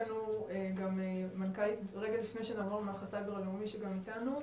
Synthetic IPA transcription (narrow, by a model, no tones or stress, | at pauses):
nueɡamemankalitʁeɡalifne̞jʃenaːmoʁmeaχasabeʁalumiʃeɡamitanu